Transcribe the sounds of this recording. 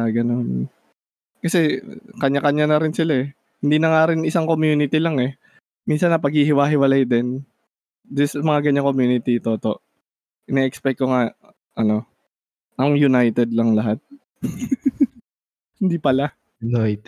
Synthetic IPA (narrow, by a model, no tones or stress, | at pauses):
ɡɐnon | kɐsɛkɐɲakɐɲanɐɾɪnsɪlaɛ | hɪnd̪iːnɐŋaɾɪnɪsaŋko̞mjuːnɪt̪ɪlaŋɛ | minsɐnɐpɐɡ̚hihɪwaːɦɪwɐlɐjd̪ɛn | d̪ɪsmɐŋaɡɐɲːaŋko̞mjuːnɪt̪it̪oːt̪o̞̰ʔ | ʔɪnɛʔɛkspɛk̚kːoŋa | ʔɐno̞ | ʔɐŋjʊnajt̪ɛd̪lɐŋlɐɦat̪̚ | hɪnd̪ipɐla | jnajt̪